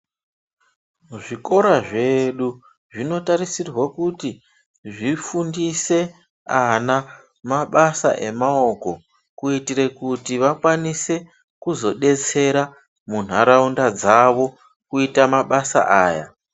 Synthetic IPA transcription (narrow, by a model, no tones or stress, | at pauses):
ʐiko̞ɾaʐeɗu | ʐino̞taɾisirwakuti | ʐifundise̞ | ana | maɓasa̰ʔe̞mao̞ko̞ | kuitiɾe̞kutiʋakwanise̞ | kuzo̞ɗe̞t͡se̞ɾa | mun̤aɾaundad͡zaʋo̞ | kuitamaɓasa̰ʔaːja̰